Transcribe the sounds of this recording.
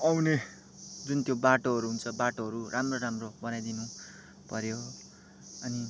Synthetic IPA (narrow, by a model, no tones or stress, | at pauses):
ʌwne | d͡zunt̪jobaʈoɦʌɾuɦunt͡sʰʌbaʈoɦʌɾurʔamroɾamrobʌnajd̪inũ | pʌɾjo | ʌni